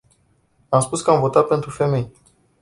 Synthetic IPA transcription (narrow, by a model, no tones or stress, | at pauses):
amspuskəamvo̞t̪at̪̚pe̞nt̪ɾufe̞me̞j